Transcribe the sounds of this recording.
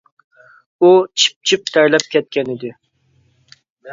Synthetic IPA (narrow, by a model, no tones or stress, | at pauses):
ut͡ʃʰi̥p̚t͡ʃʰip̚t̪ʰɛɾlɛp̚kʲʰɛt̪̚kʲɛnɪd̪ɪ